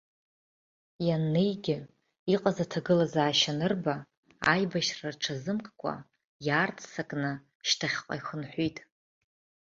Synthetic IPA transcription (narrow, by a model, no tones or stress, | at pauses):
janːejɡʲɪ | iqʼazatʰaɡɨlazaːʃanɨrba | a̰jbaʃraʈ͡ʂʰazɨmkʼkʷʼa̰ | jaːrtʰʼsakʼnɨ | ʃtʰaχʲqʷʼa̰jxənħʷijtʼ